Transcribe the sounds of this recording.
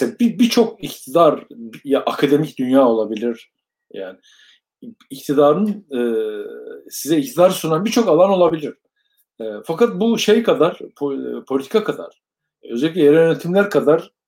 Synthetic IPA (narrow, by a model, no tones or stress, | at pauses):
bibit͡ʃʰo̞k̚ict̪ʰid̪aɾbjaʔakʰad̪e̞micd̪ynjaːo̞lˠabilʲiɾ̥ | ja̰ːnɪː | ct̪ʰid̪aːɾɯnɛ | sizɛict̪ʰid̪aːɾɯsunanbiɾt͡ʃʰo̞kalˠano̞lˠabilʲiɾ̥ | ɛːfakat̪̚buʃejkʰad̪aɾ̥pʰpʰo̞lʲit̪ʰi̥kʰakʰad̪a̰ɾ̥ | ø̞zelʲicʲɛjeɾɛjønet̪ʰimlʲæɾkʰad̪aɾ̥